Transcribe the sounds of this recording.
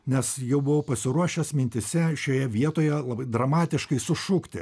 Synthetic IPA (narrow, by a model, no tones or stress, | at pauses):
nʲɛsjɛʊbʊʋoːpɐsʲɪɾuɔʃʲɛsmʲɪnʲt̪ʲɪsʲɛʃʲoːjɛʋʲiɛt̪oːjɛlˠɐbɐɪd̪ɾɐmɑːt̪ʲɪʃkɐɪsʊʃukt̪ʲɪ